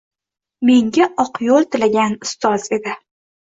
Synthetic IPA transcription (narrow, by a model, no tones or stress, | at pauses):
me̞ŋɡʲaʔɒqjɒlˠt̪ʰɪlaɡʲanʊst̪ʰɒze̞d̪ɪ